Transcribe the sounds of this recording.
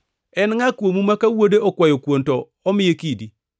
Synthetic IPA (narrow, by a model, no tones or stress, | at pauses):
ɛnŋakwomumakawodeʔɔkwajokwontɔːmɪjekidi